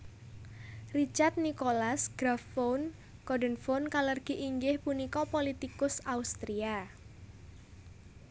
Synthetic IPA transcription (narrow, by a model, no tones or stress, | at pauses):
rit͡ʃart̪̚nikolasɡ̥ɾafːown | kɔdənfonkalərɡ̥i̤ʔiŋɡɪhpunikɔpolit̪ikʊsaust̪ɾia